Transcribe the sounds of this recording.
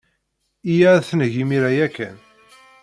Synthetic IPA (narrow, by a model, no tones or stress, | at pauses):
ijæθnʝimiɾæjækːæn